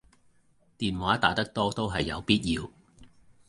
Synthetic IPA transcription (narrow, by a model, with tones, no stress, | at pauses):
t̪iː˨nwaː˨˥t̪aː˨˥t̪ɐ˥k̚t̪ɔː˥t̪o˥wɦɐ˨jːɐ̰˨˧wpiː˥t̚jiː˧w